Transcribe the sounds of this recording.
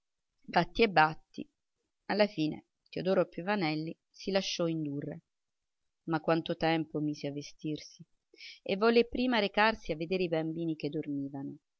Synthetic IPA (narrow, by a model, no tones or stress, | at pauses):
bat̪ːiebːat̪ːḭ | alːafiːnḛ | t̪iod̪ɔːɾopːjuvanɛlːi | silaʃːɔind̪urːḛ | makːwant̪ot̪ɛmpomiːseavːest̪irsi | ḛvːɔlːepːɾiːmaɾekarsiavːed̪eːɾeibambiːniked̪ːormiːvano